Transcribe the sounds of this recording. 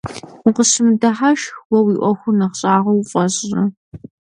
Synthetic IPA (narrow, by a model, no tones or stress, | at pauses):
ʊqəsɨmdɐħaʃxwɐwiːʔʷɔxʷʊrnɐχɕʼaːʁɐwfʼɐɕʼɐ